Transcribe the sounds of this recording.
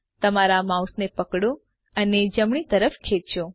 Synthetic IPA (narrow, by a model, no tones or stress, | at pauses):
t̪əmaɾamausnepəkɽõ | əned͡ʒəmɳ̃it̪əɾəfkʰet̪t͡ʃo